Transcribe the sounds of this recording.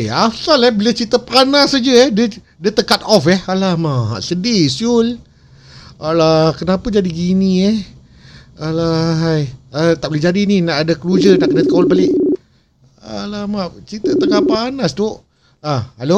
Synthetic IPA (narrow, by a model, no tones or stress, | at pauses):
asalɛhbilət͡ʃit̪əpanasad͡ʒəɛhdə | dət̪əkat̪̚ɔfɛhalahmaɦa̰ʔsədisul | alakənapad͡ʒadiɡiniɛh | alaɦajat̪aʔbəled͡ʒadininaʔadakəlud͡ʒənaʔkənat̪əkawalbalɪʔ | alamat͡ʃit̪ət̪əkaʔpanast̪uʔ | aalo